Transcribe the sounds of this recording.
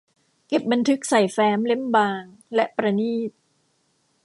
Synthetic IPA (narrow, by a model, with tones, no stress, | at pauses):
ke˨˩p̚ba˧nt̪ʰɯ˦˥k̚sa˨˩jfɛː˦˥mle˦˥˩mbaː˧ŋ | lɛ˦˥ʔpɾa˧niː˥˩t̪̚